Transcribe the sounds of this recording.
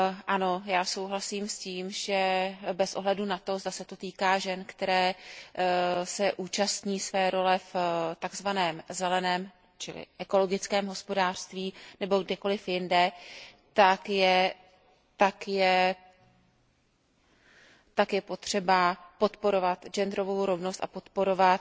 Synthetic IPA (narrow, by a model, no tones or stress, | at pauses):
ʔano̞jaːso̞wɦlasiːmsciːmʒɛbɛsʔo̞ɦlɛdunat̪o̞zd̪asɛt̪o̞t̪iːkaːʒɛnkt̪ɛɾɛː | sɛʔuːt͡ʃast̪ɲiːsvɛːɾo̞lɛft̪aɡzvanɛːmzɛlɛnɛːm | t͡ʃɪlɪ̰ʔɛko̞lo̞ɡɪt͡skɛːmɦo̞spo̞daːr̝̥st̪viːnɛbo̞ɡdɛko̞lɪfjɪndɛ | t̪akjɛ | t̪akjɛ | t̪akjɛpo̞t̪r̝̥ɛbapo̞t̪po̞ɾo̞vat̪ʒɛnd̪ɾo̞vo̞wɾo̞vnost̪a̰po̞t̪po̞ɾo̞vat̪